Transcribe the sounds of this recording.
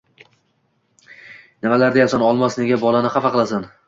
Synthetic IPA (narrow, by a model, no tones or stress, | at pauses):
nɪmalaɾd̪ajasanɒlˠmasne̞ɡʲabɒlˠanɪχafaqɨlˠasan